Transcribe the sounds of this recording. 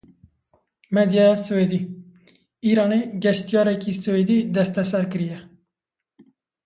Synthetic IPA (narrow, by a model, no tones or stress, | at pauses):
med̪jɑswed̪iː | iːɾɑːneɡɛʃt̪ijɑːɾɛkisɨweːd̪iːd̪ɛst̪ɛsɛɾkɨɾijɛ